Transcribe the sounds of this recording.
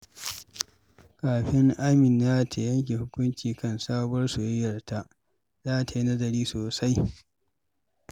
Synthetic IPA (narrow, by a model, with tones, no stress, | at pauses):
kaː˨ɸɪ˦ŋʔaː˦mɪ˨n˨jaː˦tʰa˨jɐ˦ŋk̬ʲe˨hʊ˦kʷʊ˦nt͡ʃiː˨kɐ˦˨nsaː˦bʊ˦ɐ˦rsʊ˨jɪ˦jːɐ˨rta˦ʔ | zaː˦˨ta˨ji˦nɐ˦zɐ˨ɾiː˦soː˨sa˦j